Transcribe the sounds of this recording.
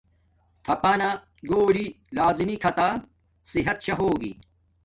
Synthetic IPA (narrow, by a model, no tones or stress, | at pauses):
t̪ʰɐpɐːna | ɡoːli | laːzimikʰɐt̪a | siɦɐt̪ɕɐɦoːɡḭ